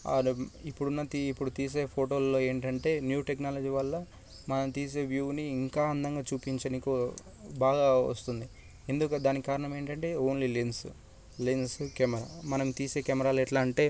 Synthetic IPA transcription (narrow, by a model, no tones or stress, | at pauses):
ipːuɽunːɐt̪iipːuɽut̪iːs̬e̞ːpʰoːʈoːlːo̞ːe̞ːɳʈɐɳʈe̞ːnjuːʈe̞knaːlɐd͡ʒiːʋɐlːɐ | mɐnɐmt̪iːs̬e̞ːʋjuːʋniːŋkaːɐnd̪ɐŋɡaːt͡ʃuːpiɲt͡ʃɐniku | baːɡaːɐ̰st̪und̪i | e̞nd̪ukd̪aːnikikaːɾɐɳɐme̞ːɳʈɐɳʈe̞ːoːnlilins | linskɐmɐɾaːmɐnɐmt̪iːse̞ːkɐmɐɾaːlɛʈlaːɳʈe̞ː